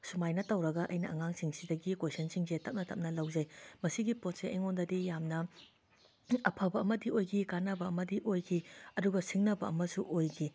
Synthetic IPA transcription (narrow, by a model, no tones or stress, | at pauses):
sumajnɐtɐwɾɐɡɐʔɐ̰jnɐɐŋaŋsiŋsidɐɡikojsɐnsiŋzetɐp̚nɐtɐpm̚nɐlɐwzɐjmɐsiɡipot̚seʔeŋondɐdijamnɐ | ɐpʰɐbɐɐmɐdiojkʰikanɐbɐːmɐdiʔojkʰiɐduɡɐsiŋnɐbɐɐ̰mɐsuʔojɡʰi